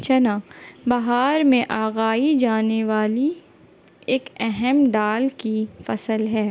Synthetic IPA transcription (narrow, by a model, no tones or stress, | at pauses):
t͡ʃɐnaːbɐɦaːɾmẽʔaːɣaːid͡ʒaːneʋaːli | eːkɛɦɛmɖaːlkifɐsəlɦɛː